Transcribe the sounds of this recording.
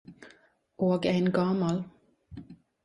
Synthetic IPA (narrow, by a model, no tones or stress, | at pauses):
ʔoːɡæɪnɡɑmɑl